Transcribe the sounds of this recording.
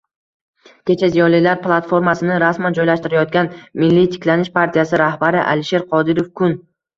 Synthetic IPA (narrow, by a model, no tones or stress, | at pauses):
kʲe̞t͡ʃʰazijɒnlɪlaɾplˠat̪fo̞ɾmasɪnɪɾasmand͡ʒɒjlaʃt̪ɪɾajɒt̪̚ɡʲanmɪlːit̪ʰɪ̥kʲlanɪʃpʰaɾt̪ʰijasɪɾahbaɾɪʔa̰lɪʃe̞ɾqʰɒd̪ɪɾo̞fkʰʊn